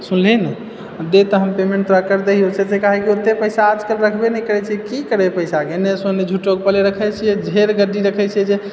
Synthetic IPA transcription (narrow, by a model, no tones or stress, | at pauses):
sunlinɛ | d̪et̪ɔɦəmpemẽɳʈ̚t̪ɾəkəɾd̪eɦiosʰesekaɦɛkiot̪ːepəsaːd͡ʒkəlɾəkʰbenɛjkəɾɛt͡ʃʰiɛkikəɾepəɪsakenesoned͡ʒʱuʈoɡpəleɾəkʰɛt͡ʃʰijɛd͡ʒʱeɾɡəɖiɾəkʰɛt͡ʃʰiɛd͡ʒe